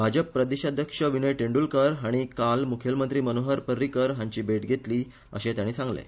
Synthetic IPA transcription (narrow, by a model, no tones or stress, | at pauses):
bʱad͡ʑəpːɾəd̪iɕad̪ʱjəkʂəʋinəjʈeɳɖuːlkəɾɦaɽ̃ikalmukʰjəlmənt̪ɾiːmənoɦəɾpəɾːiːkəɾɦãɲt͡ɕiːbʱeʈɡʱet̪liː | ə̰ɕẽt̪jaɽ̃iːsãŋɡlḛ